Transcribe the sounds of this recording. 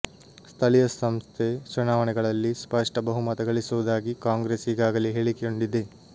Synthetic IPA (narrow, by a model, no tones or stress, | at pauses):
st̪ʰɐlijɐsɐmst̪ʰet͡ʃunaːʋɐɳɛɡɐɭɐlːispɐʂʈɐbɐɦumɐt̪ɐɡɐɭisuʋud̪aːɡikaːŋɡɾeːsiɡaːɡɐliɦeːɭikejoɳɖid̪e